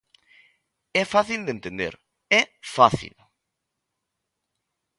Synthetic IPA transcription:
ɛfaθild̪ẽnt̪end̪ḛɾ | ɛfaθḭl

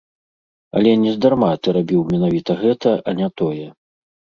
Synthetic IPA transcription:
ɐ̰lʲɛnʲɛzd̪armat̪ɨɾabʲiwmʲɛnavʲit̪ɐɣɛt̪ʰɐʔɐnʲat̪ɔjɛ

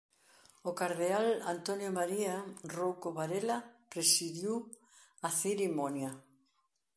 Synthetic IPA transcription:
okaɾðeala̰nt̪onjomaɾiarowkoβaɾelapɾesiðjuw | aθiɾimonja

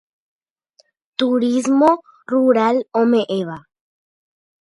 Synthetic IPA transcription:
t̪uɾizmo | ruɾalomeʔeβa

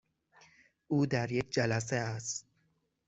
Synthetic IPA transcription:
uːd̪æɾjekd͡ʒælæs̬eæst̪

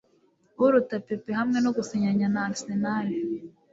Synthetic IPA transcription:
uɾutapepehamŋe̞noɡuseɲaɲanasenajo

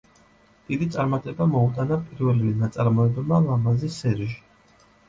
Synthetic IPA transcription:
d̪̥id̪it̪sʼaɾmat̪ʼɛbamɔut̪ʼanapʼiɾvɛlivinat̪sʼaɾmɔɛbmalˠamazisːɛɾiʒi̥

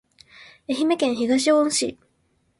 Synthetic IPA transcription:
e̞çime̞kẽ̞ɰ̃çiɡaɕiõɕḭ

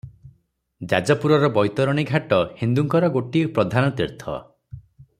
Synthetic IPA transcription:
d͡ʒa̰d͡ʒɔpuɾɔɾɔbɔjt̪ɔɾɔɽ̃iɡʱaʈɔhind̪uŋkɔɾɔɡoʈipɾɔd̪ʱanɔt̪iɾt̪ʰɔ̰

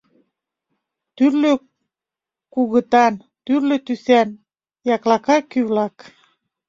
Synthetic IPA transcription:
t̪yrlø | kuɣə̆t̪ɑn | t̪yrløt̪ysæn | jɑklɑkɑkyβlɑk

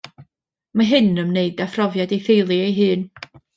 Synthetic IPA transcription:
maɦɨnəmneɨdafrɔvjadejθejlˠiejɦɨːn

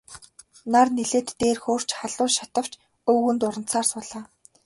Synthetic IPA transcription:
narneɮeːt̪ːeːrxoːr̥t͡ɕχaɮʊːʃḁt̪ə̆w̥t͡ɕ | ɵːɣɘ̆nt̪ʊɾə̆n̥t͡saːrsʊɮaː

